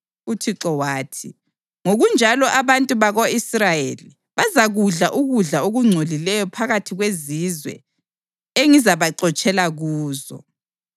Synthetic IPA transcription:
utʰiǁɔwaːtʰi | ŋoɣund͡ʒʱalɔʔaβantʼuβaɣoisrajeli | βazaɣuɮaʔuɣuɮaoɣuŋ͡ǀʱolilɛjɔpʰaɣatʰiɣwezizwɛ̰ | eŋizaβaǃɔt͡ʃʼɛlaɣuːzɔ̰

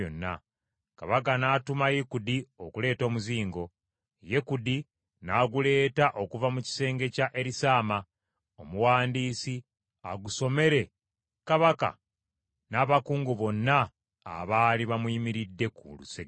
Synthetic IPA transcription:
onːa̰ | kaβak̬anaːtumajekudio̞kule̞ːto̞ːmuziːŋɡo̞ | jekudi | naɡule̞ːtaʔo̞kuvamuci̥se̞ːŋɡe̞caʔe̞ɾisaːma | omuwaːndiːsi | a̰ɡuso̞me̞ɾe̞ | kaβaka̰ | naːβakuːŋɡuβo̞nːa̰ː | βaːliβamuimiɾidːe̞kṵlṵse

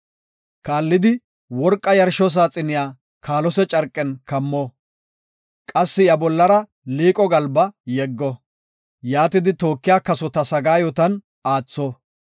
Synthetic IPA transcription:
kaːlːɪd̪ɪ | wɔɾkʼːɐjɐɾʃɔs̬aːt͡sʼɪnɪjaː | kaːlɔsɛt͡ʃʼɐɾkʼːɛnkɐmːɔ | kʼɐsːɪjɐbɔlːɐɾɐ | liːkʼɔɡɐlbɐjɛɡːɔ | jaːt̪ɪd̪ɪt̪o̞ːkːɪjaːkɐsɔt̪ɐsɐɡaːjɔt̪ɐn | aːt͡sːɔ

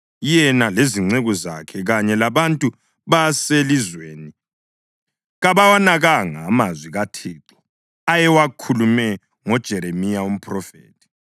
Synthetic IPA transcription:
jɛnaleziŋ͡ǀeɣɔza̰kʰɛɣaɲɛlaβantʼu | βaselizweːni | ɣaβawanaɣaŋaːmazwiɣatʰiːǃɔ̥ | ajɛwakʰulumɛ | ŋɔd̥ʒ̥ʱɛɾemijaum̩pʰrɔfḛːtʰʼi̥

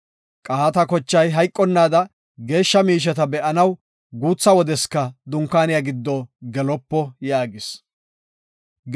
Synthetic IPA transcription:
kʼɐhɐt̪ɐkɔt͡ʃːɐjɦɐjkʼːɔnːaːd̪ɐ | ɡe̞ːʃːɐmiːʃ̬ɛt̪ɐbɛʔɐnɐw | ɡuːt͡sːɐwɔd̪ɛskːɐd̪ʊŋkːaːnɪjaɡɪd̪ːɔɡɛlɔpːɔjaːɡɪs

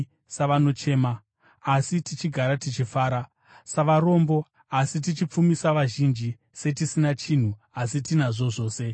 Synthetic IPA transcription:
saʋano̞t͡ʃe̞ːmaː | sitit͡ʃiɡʱaɾatit͡ʃifaːɾa | saʋaɾo̞mbo̞ | asit̬it͡ʃip͡fumisaʋaʒind͡ʒi | se̞t̬isinat͡ʃin̤u | asitinaʐo̞ʐo̞ːse̞

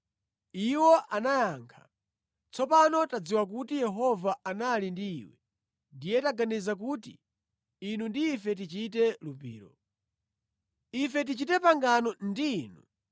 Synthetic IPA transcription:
iwɔʔanajaːŋkʰḁ | t͡sɔpanɔtad͡ziwak̬utijɛɦɔvaanalindḭːwɛ | ndijɛtaɡanizak̬utḭ | inundiːfɛt̬it͡ʃitɛlupḭːɾɔ | ifɛt̬it͡ʃitɛpaŋɡanɔndiːnu

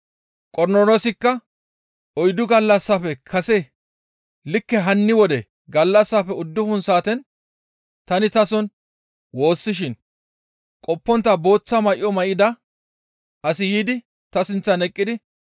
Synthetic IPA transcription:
kʼɔɾnolosɪkːɐ | ʔɔjd̪ʊɡɐlːɐsːɐfɛkʰɐsɛ | lɪkːɛɦɐnːɪwɔd̪ɛ | ɡɐlːɐsːafɛʊd̪ːʊfʊnsaːt̪ɛn | t̪ɐnɪt̪ɐsɔn | wo̞ːsːɪʃ̬ɪn | kʼɔpːɔnt̪ːɐbo̞ːt͡sːɐmɐʔɪ̰ɔmɐʔɪd̪ɐ | ɐsɪjiːd̪ɪ | t̪ɐsɪnt͡sːɐnɛkʼːɪd̪ɪ

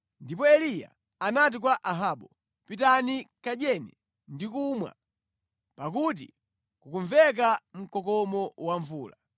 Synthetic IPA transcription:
ndip̬ɔɛlija̰ | anat̬ik̬waʔaɦaːɓɔ | pitanikaɗɛnɛ | ndikumwa̰ | pak̬ut̬ḭ | kukuɱvɛk̬am̩kɔkɔmɔwaɱvuːla

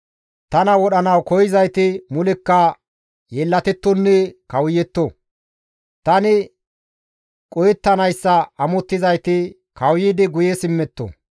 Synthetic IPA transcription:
t̪ɐnɐwɔɗɐnɐwkɔjɪzɐjt̪ɪmʊlɛkːɐ | jɛlːɐt̪ɛt̪ːɔnːɛkɐwjɛt̪ːɔ | t̪ɐnɪ | kʼɔjɛt̪ːɐnɐjsːɐɐmɔt̪ːɪzɐjt̪ɪ | kɐwjiːd̪ɪɡʊjɛsɪmːɛt̪ːo̰

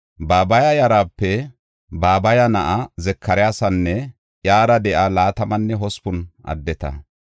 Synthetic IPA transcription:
baːbɐjɐjɐɾaːpːɛ | baːbɐjɐnɐʔɐzɛkːɐɾɛjaːsɐnːɛ | ʔjaːɾɐd̪ɛʔalaːt̪ɐmɐnːɛɦɔspʊnʔɐ̰d̪ːɛt̪ɐ̰

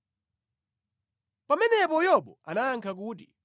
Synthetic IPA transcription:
pamɛnɛpɔjɔɓɔanaːŋkʰak̬uːt̬ḭ

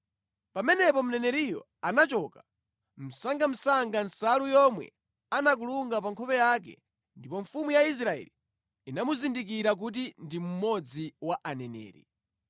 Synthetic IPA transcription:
pamɛnɛpɔm̩nɛnɛɾijɔ̰ | anat͡ʃɔka | m̩saŋɡam̩saŋɡansalujɔmwɛ̰ | anak̬uluŋɡapaŋkʰɔpɛjakɛ̰ | ndipɔɱfumujais̬ɾaɛ̰liː | namuzindikiɾak̬ut̬indim̩mɔd͡ziwaʔanɛnɛ̰ːɾḭ

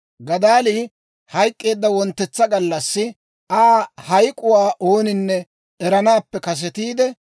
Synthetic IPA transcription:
ɡɐd̪aːliː | hɐjkʼːe̞ːd̪ːɐwɔnt̪ːɛt͡sːɐɡɐlːɐsːɪ | ʔaːhɐjkʼːʊwaːʔoːnɪnːɛ | ʔɛɾɐnaːpːɛkɐs̬ɛt̪iːd̪ɛ

